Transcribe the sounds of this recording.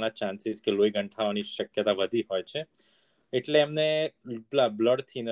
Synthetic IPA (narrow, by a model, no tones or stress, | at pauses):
nat͡ʃãnsɪzkeloiɡəɳʈʰaoniʃəkjət̪aʋəd̪ʱiɦojt͡ʃʰe | eʈleːmneblabləɽt̪ʰin